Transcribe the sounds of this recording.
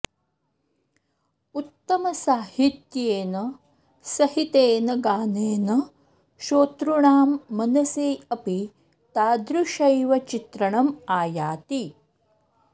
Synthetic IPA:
ut̪ːɐmɐsaːhit̪jeːnɐ | sɐɦit̪eːnɐɡaːneːnɐ | ʃoːt̪ɾuɳaːmːɐnɐsiːɐpi | t̪aːd̪ɾuʃɐjʋɐt͡ʃit̪ɾɐɳɐmaːjaːt̪i

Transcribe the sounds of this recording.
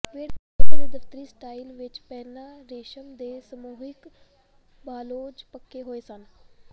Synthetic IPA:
pʰeːɽ | əd̪eːd̪əft̪əɾiːsʈaːilʋɪt͡ʃpɛːnãːɾeːʃəmd̪eːsəmuːɦɪk | baːloːd͡ʒpəkːeːɦoːeːsən

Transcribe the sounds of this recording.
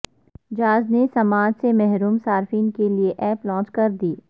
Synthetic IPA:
d͡ʒaːznesɐmaːd͡ʒsemɛɦɾuːmsaːɾfiːnkelieʔɛːplɔ̃ːt͡ʃkɐɾd̪iː

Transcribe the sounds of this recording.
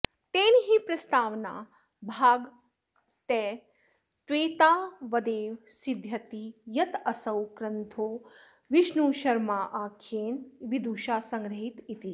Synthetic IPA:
t̪eːniɦipɾɐst̪aːʋna̰ː | bʱaːɡ | t̪eː | t̪ʋeːt̪aːʋɐd̪eːʋsid̪ʱjɐt̪ijɐt̪ɐsɐwkɾɐnt̪ʰoː | ʋiʃnuːʃɐɾmaːʔaːkʰeːnʋid̪uːʃaːsɐŋɡɾɐɦit̪it̪i

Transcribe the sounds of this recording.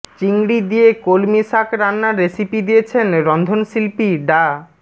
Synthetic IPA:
t͡ɕiŋɽid̪ijekolmiʃakɾanːaːesipid̪ijet͡ɕʰenɾɔnd̪ʱonsilpiɖa

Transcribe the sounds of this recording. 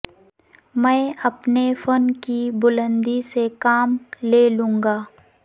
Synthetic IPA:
mɛ̃ɐpnefənkibʊlə̃nd̪isekaːmleːlũːŋɡaː

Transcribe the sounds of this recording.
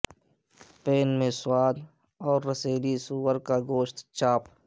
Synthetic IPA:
peːnmẽsʊwaːl | ɔːɾːəseːlisuːəɾkaɡoːʃt̪t͡ʃaːp

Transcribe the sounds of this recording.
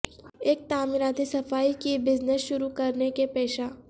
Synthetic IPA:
eːk̚t̪aːmɪɾaːd̪isɐfaːikibɪznəsʃʊɾukɐɾnekepɛːʃaː

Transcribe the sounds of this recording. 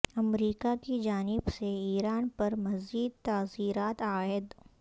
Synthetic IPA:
ɐmɾiːkakid͡ʒaːnɪbseiːɾaːnpɐɾmɐziːd̪̚t̪aːziːɾaːt̪aːɪd̪

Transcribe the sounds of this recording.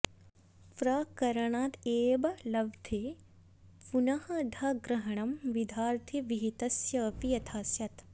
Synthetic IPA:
fɾɐkɐɾɐɳaːt̪eːbɐlɐʋd̪ʱe | punɐhɐd̪ʱɐɡɾɐɦɐɳɐmʋid̪ʱaːɾt̪ʰiʋiɦit̪ɐsjɐːpijɐt̪ʰaːsjɐt̪

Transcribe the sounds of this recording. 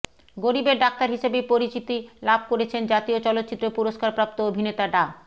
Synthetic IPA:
ɡoɾibeɾɖak̚t̪aɾɦiʃebepoɾit͡ɕit̪ilabʱkoɾet͡ɕʰend͡ʑat̪iot͡ɕɔlot̪ːt͡ɕit̪ːɾopuɾoʃkaɾpɾap̚t̪oobʱinet̪aɖa

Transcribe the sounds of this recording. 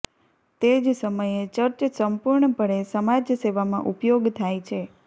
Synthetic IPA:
t̪ed͡ʒsəməjet͡ʃəɾt͡ʃsəmpuɾɳəpəɽesəmad͡ʒseʋamã̰ʔupjoɡt̪ʰajt͡ʃʰe

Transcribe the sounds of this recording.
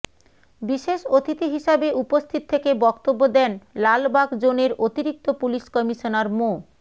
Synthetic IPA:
biʃeʃot̪ʰit̪iɦiʃabeʔupost̪ʰit̪ot̪ʰːekebɔkt̪obːod̪ɛnlalbaɡd͡ʑoneɾot̪iɾik̚t̪opuliʃkɔmiʃonaɾmo

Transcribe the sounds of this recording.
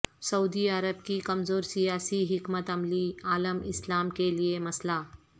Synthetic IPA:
sɐud̪iaɾəb̚kikɐmzoːɾsijaːsiɦɪkmət̪ɐmliːaːləmɪslaːmkeliemɐsla

